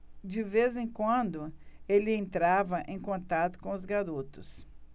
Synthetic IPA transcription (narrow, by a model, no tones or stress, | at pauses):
d͡ʒɪvezẽj̃kwɐ̃nd̪ʊelɪẽnt̪ɾavɐʔẽj̃kõnt̪at̪ʊ̥kõʊzɡaɾut̪ʊs